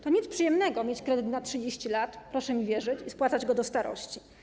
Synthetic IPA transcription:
t̪ɔɲit̪spʂɨjɛmnɛɡɔmʲjet͡ɕkɾɛd̪ɘt̪natʂɘd͡ʑeɕt͡ɕilat̪pɾɔʂɛmʲivʲjɛʐɘt͡ɕispwat̪sad͡ʑɡɔd̪ɔst̪aɾɔ̰ɕt͡ɕi

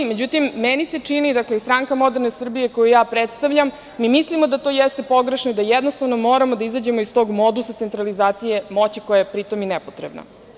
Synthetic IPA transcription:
med͡ʑut̪imːenise̞t͡ʂinid̪akleist̪ɾaŋkamo̞d̪eɾnesr̩bije̞ko̞jujaːpɾet̪st̪aʋʎamː | imislimo̞d̪at̪ojɛst̪e̞po̞ɡɾeʃno̞id̪ajɛd̪nost̪avno̞mo̞ːɾamod̪aizad͡ʑe̞mo̞ist̪o̞ɡmo̞d̪usat̪e̞nt̪ɾalizaːt̪sije̞mo̞t͡ɕiko̞jajepɾit̪o̞minɛpot̪ɾebna̰

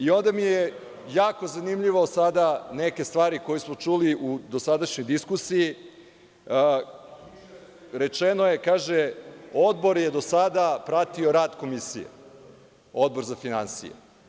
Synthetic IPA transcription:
io̞nd̪amije | jaːko̞zanimʎiʋaosad̪aneke̞st̪ʋaːɾikojusmo̞t͡ʃuliʔud̪osad̪aʃɲo̞jd̪iskusii | ɾe̞t͡ʃenoje̞kaːʒeo̞d̪bo̞ɾjed̪osad̪apɾat̪io̞ɾaːd̪ko̞misḭjḛ | o̞d̪̚bo̞ɾzafinansḭjḛ

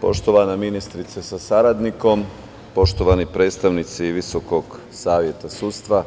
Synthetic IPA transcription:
po̞̰ʃt̪o̞ʋanaminist̪ɾit̪sesasaɾad̪niko̞m | po̞ʃt̪oʋanipɾe̞ːd̪st̪aʋnit̪siʋiso̞ko̞ɡ | saːʋje̞t̪asuːt̪st̪ʋa

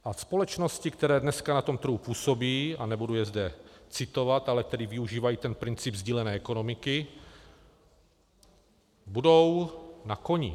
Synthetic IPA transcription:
ʔaspo̞lɛt͡ʃno̞scɪkt̪ɛɾɛːdnɛskanat̪o̞mt̪ɾr̩ɦupuːso̞biːʔanɛbudujɛzdɛt͡sɪt̪o̞vat̪ʔalɛt̪ɛdɪvɪuʒiːvajiːt̪ɛnpɾɪnt͡sɪbzɟiːlɛnɛːɛko̞no̞mɪkɪ | budo̞wnako̞ɲɪ̰

